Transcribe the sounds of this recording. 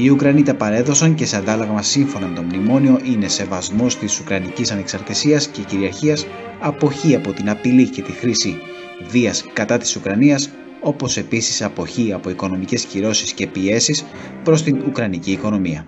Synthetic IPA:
iukɾɐnit̪ɐpɐɾe̞ðo̞sɐɲce̞seɐnd̪ɐloɣɐmɐsiɱfo̞nɐme̞t̪o̞mnimo̞nio̞ʔine̞se̞vɐzmost̪isukɾɐnicisɐne̞ksɐɾt̪isiɐsce̞ciɾiɐɾçiɐs | ɐpo̞çiɐpo̞t̪inɐpilice̞t̪ixɾisi | viɐskɐt̪ɐt̪i̥sukɾɐniɐs | o̞po̞se̞pisi̥sɐpo̞çiɐpo̞iko̞no̞mice̞sciɾo̞sisce̞pie̞sis | pɾost̪inukɾɐniciːko̞no̞miɐ

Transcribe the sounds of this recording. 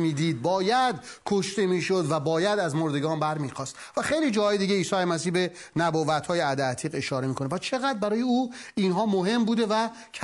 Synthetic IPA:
miːd̪iːd̪̚bɒːjæd̪kʰoʃt̪e̞miːʃod̪væbɒːjæd̪æzmoɾd̪e̞ɡɒːnbæɾmiːxɒːst̪væxejliːd͡ʒɒːhɒːjed̪iːɟeiːsɒːjemæs̬iːhbe̞ | næbɔːvæt̪ʰhɒːjeæd̪eæt̪ʰiːɣe̞ʃɒːɾe̞miːkʰo̞nepʰæst͡ʃʰe̞ɣæd̪̚bæɾɒːjeuːinɦɒːmoɦe̞mbuːd̪e̞væ | cʰ

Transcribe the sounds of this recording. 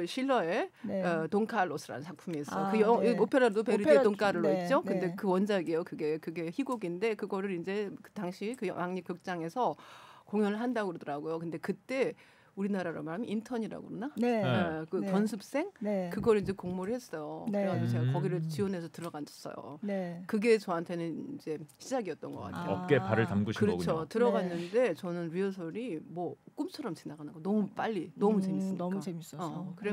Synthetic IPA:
ɯɕʰiɭːʌetoŋkʰaɭːosʰɯɾa̰nɯnt͡ɕʰak̚pʰumiːs͈ʌjokɯjʌŋiopʰeɾadopeɾietoŋkʰaɾɯɭːoit̚t͡ɕ͈okɯnde̞kɯwʌnd͡ʑaɡiejokɯɡe̞kɯɡe̞çiɡoɡinde̞kɯɡʌɾɯɾind͡ʑe̞kɯtaŋɕʰikɯj̰waŋɲip̚kjɯk̚t͡ɕ͈aŋe̞sʰʌkoŋjʌnɯɭɦandaɡɯɾodʌɾaɡojokɯnde̞kɯt͈e̞ | uɾinaɾaɾa̰maɭmintʰʌɲiɾa̰ɡo̰naekɯpjʌnsʰɯp̚s͈e̞ŋkɯɡʌɾind͡ʑe̞koŋmoɾɯihes͈ʌjokɯeɡaid͡ʑet͡ɕeɡakʌɡiɾɯɭt͡ɕiwʌnɦe̞sʰʌtɯɾʌɡand͡ʑʰʌ̥s͈ʌ̰jo̰nkɯɡe̞t͡ɕʌɦantʰe̞nɯniind͡ʑe̞ɕʰid͡ʑaɡiʌt̚t͈ʌnɡʌk͈a̰ttʰejʌp̚k͈e̞paɾɯɭtamɡuɕɯɾɯt͡ɕʰotɯɾʌɡanːɯnde̞t͡ɕʌnɯnɥiʌsʰʌɾimwʌk͈umt͡ɕʰʌɾʌmt͡ɕinaɡanɯnɡʌnʌmup͈aʎːinʌmut͡ɕemis͈ɯmemis͈ʌkɯɾe

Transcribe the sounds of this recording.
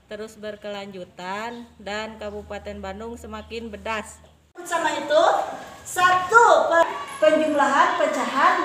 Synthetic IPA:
t̪əɾʊsbərkəlaɲd͡ʒut̪andankabupat̪ɛnbanʊŋsəmakɪnbədas | samait̪usat̪upəpəɲd͡ʒuŋlaɦanpəd͡ʒaɦan̚

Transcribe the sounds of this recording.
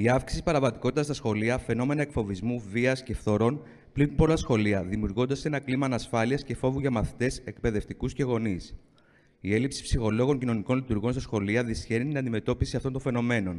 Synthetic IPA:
iɐfksi̥siipɐɾɐvɐt̪i̥ko̞t̪it̪ɐst̪ɐsxo̞liɐfe̞no̞me̞nɐekfo̞vizmuviɐsce̞fθo̞ɾo̞n | plinpo̞lɐsxo̞liɐðimiuɾɣo̞nd̪ɐse̞nɐklimɐːnɐsfɐliɐsce̞fo̞vuʝɐmɐθi̥t̪e̞se̞k̚pe̞ðe̞ft̪ikusce̞ɣo̞nis | ie̞lipsi̥psixo̞lo̞ɣo̞ɲcino̞niko̞nlit̪uɾɣo̞nst̪ɐsxo̞liɐðisçe̞nit̪inɐnd̪ime̞t̪o̞pisiɐft̪o̞nt̪o̞ɱfe̞no̞me̞no̞n

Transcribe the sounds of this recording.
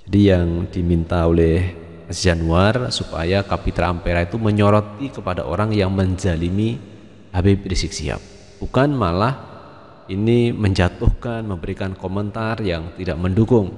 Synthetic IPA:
d͡ʒadijaŋdimint̪aolɛh | sd͡ʒanuarsupa̰jakapit̪ɾaːmpeɾait̪uməɲɔɾɔt̪ikəpada̰ʔo̰ɾaŋjaŋməɲd͡ʒalimi | habɪp̚disɪk̚sḭa̰p̚ | b̥ukanmalah | iniməɲd͡ʒat̪ʊhkanməmbəɾikankomənt̪arjaŋt̪idaʔməndukʊŋ

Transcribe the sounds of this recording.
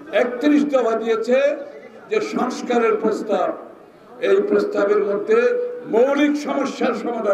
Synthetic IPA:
ek̚t̪iɾiʃd̪ɔpʰad̪ijet͡ɕʰed͡ʑeʃɔŋskaɾeɾpɾost̪ab | ejpɾost̪abeɾmod̪ʱːemowɾikʃɔmoʃːaɾʃɔmod̪ʱa

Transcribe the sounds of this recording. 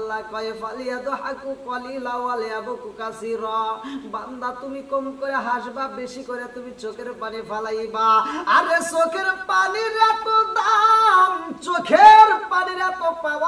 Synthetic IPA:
lakɔjepʰalijad̪ɔɦakukɔlilawaleabɔkukasiɾɔband̪at̪umikɔmkɔɾjaɦaʃbabesikɔɾijat̪umit͡ʃokʰeɾpanibʰʱalajbaaɾesokʰeɾpaniɾat̪ɔd̪amt͡ʃokʰeɾpaniɾat̪ɔpaba

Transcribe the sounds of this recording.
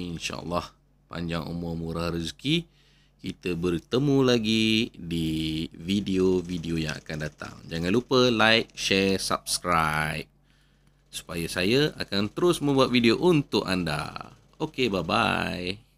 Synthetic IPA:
inʃa̰ə̰lːah | pa̰ɲd͡ʒaŋo̰mõmuɾahɾizki | kit̪əbərt̪əmũlaɡidividiovidiojaŋa̰kandat̪a̰ŋd͡ʒaŋãnlupəlajk̚ʃɛrsa̰p̚skɾap̚ | su̥pajasajəa̰kant̪əɾʊsmə̃mbuat̪̚vidioʔunt̪ʊkanda̰ | okebaba̰j

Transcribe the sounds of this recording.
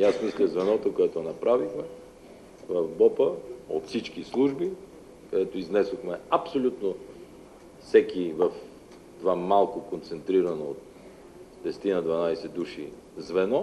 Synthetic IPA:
jasmislʲɐzvɛnɔt̪okoɛt̪oɛnɐpɾavixmɛ | vɐvbɔpəo̰t̪fsit͡ʃkislˠuʒbi | kɐd̪ɛt̪oiznɛsoxmɛɐpsolʲut̪no | fsɛkivɐf | t̪vamalˠkokont̪sɛnt̪ɾiɾɐnoot̪̚ | d̪ɛsɛ̥t̪inəd̪vɐnajsɛd̪uʃḭ | zvɛnɔ

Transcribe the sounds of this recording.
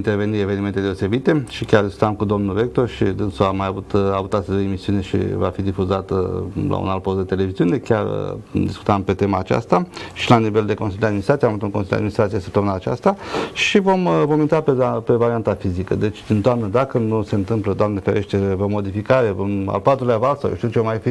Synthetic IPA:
int̪erve̞nieve̞niment̪ed̪eose̞bit̪e̞ʃikʲard̪iskut̪amkud̪o̞mnulve̞k̚t̪o̞rʃid̪ɨnsuamajavut̪avut̪ast̪eld̪eemisiune̞ʃḭva̰fid̪ifuzat̪lʔa̰ṵnalt̪̚pozd̪et̪e̞le̞viziune̞kʲjar̰ə̰d̪isku̥t̪ampe̞t̪e̞maːt͡ʃa̰st̪aʃilaniveld̪e̞konsilʲd̪ead̪minst̪ɾat̪ijamavut̪uŋkonsilʲd̪a̰d̪inist̪ɾasijesəp̚t̪əmunaːt͡ʃa̰st̪aʃivo̞mvo̞mint̪apeape̞vaɾiant̪afizikə̰d̪e̞t͡ʃʲɨnt̪oamnəd̪akənuse̞nt̪ɨmpləd̪oamnefeɾeʃt̪evomːo̞d̪ifikaɾe̞voma̰lpat̪ɾuleavalsawjḛʃt̪iut͡ʃevamajfi

